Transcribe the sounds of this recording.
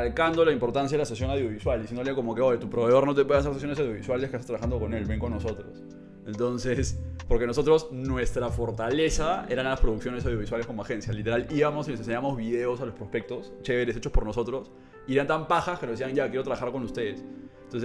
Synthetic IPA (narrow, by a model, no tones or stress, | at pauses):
alkand̪o̞laimpo̞ɾt̪ans̬jaðelasesjo̞nawðjo̞βiswald̪isjend̪oljeko̞mo̞keojet̪upɾoβe̞ðo̞ɾno̞t̪̬epwenseɾsesjones̬awðjo̞βiswaleskest̪ɾaβaxand̪o̞ko̞ne̞lβeŋko̞nːo̞so̞t̪ɾos | ent̪o̞nsespo̞ɾke̞nos̬o̞t̪ɾo̞snwe̞st̪ɾafo̞ɾt̪ale̞sae̞ɾanalaspɾoðuksjo̞nes̬awðjo̞βiswale̞sko̞moaxe̞nsjalit̪e̞ɾaliβamosilesenseɲaβamo̞zβiðe̞o̞salo̞spɾospe̞k̚t̪o̞st͡ʃe̞βeɾe̞se̞t͡ʃo̞spo̞ɾno̞so̞t̪ɾo̞s | ieɾant̪ampaxaskenozðesiaŋʝakjeɾot̪ɾaβaxaɾko̞nust̪e̞ðesnt̪onse